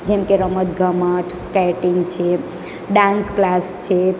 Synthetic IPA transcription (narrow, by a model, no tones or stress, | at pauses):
d͡ʒemkeɾəmət̪ɡʱəməʈʰskajʈiŋɡt͡ʃʰe | ɖansklast͡ʃʰe